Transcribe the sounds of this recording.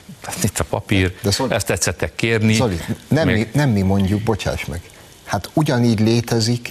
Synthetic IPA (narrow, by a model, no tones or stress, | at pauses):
ɛit̪ːɒpɒ̰pird̪ɛsoɛst̪ːɛt̪sɛt̪ːɛkːeːrnisolinɛmːinɛmːimo̞ɲɟuɡ̚bo̞t͡ʃa̰ːʃmɛɡ̥ | hat̪uɟɒniːɟleːt̪ɛzik